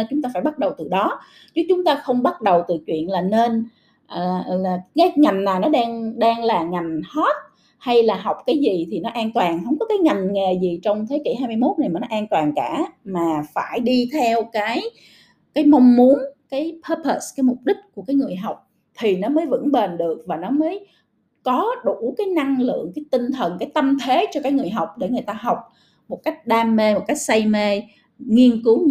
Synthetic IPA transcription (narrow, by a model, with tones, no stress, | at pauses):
t͡ɕʊ˨˦ŋ͡mt̪aː˧faː˧˩jɓa˦˥t̚ɗə˨˩wt̪ɨ˨˩ɗɔ˨˦ | t͡ɕɨ˦˥t͡ɕʊ˨˦ŋ͡mt̪aː˧xə˧wŋ͡mɓa˦˥t̚ɗə˨˩wt̪ɨ̰˧˨t͡ɕwḭ˧˨ənlaː˨˩ne˧n | ʔlaː˨˩kaː˨˦jŋa˨˩jŋ̟ːaː˨˩nɔ˨˦ɗaː˧ŋɗaː˧ŋlaː˨˩ŋa˨˩jŋ̟hɔ˦˥t̚ | ha˧jlaː˨˩ɦa˨˩wk͡p̚kaː˨˦jzi˨˩t̪ʰi˨˩nɔ˨˦ʔaː˧nt̪waː˨˩ŋhə˧˩wŋ͡mkɔ˨˦kaː˨˦jŋa˨˩jŋ̟ŋe˨˩zi˨˩t͡ɕɔ˧wŋ͡mt̪ʰe˨˦kḭ˧˩ɦaː˧jmɨ˧jmo˦˥t̚na˨˩jmaː˨˩nɔ˨˦ʔaː˧nt̪waː˨˩ŋkaː˧˩maː˨˩faː˧˩jɗi˧t̪ʰɛ˧wkaː˨˦j | kaː˨˦jma˧wŋ͡mmu˨˦ənkaː˨˦jpʰə˨˧˦pʰə˨˩skaː˨˦jmʊ˨˩k͡p̚ɗï˦˥k̚ku˧˩əkaː˨˦jŋɨ˨˩əjɦa˨˩wk͡p̚ | t̪ʰi˨˩nɔ˨˦məː˨˦jvə̰˧˥nɓe˨˩nɗɨ˨˩ək̚vaː˨˩nɔ˨˦məː˨˦j | kɔ˨˦ɗu˧˩kaː˨˦jna˧ŋlɨ̰˧˨əŋkaː˨˦jt̪ï˧ŋ̟t̪ʰə˨˩nkaː˨˦jt̪ə˧mt̪ʰe˨˦t͡ɕɔ˧kaː˨˦˥k̚ŋɨ˨˩əjɦa˨˩wk͡p̚ɗe˧˩ŋɨ˨˩əjt̪aː˧ɦa˨˩wk͡p̚ | mo˨˩t̚ka˦˥jk̟̚ɗaː˧mːe˧mo˨˩t̚ka˦˥jk̚sa˧jme˧ | ŋi˧ənkɨ˨˦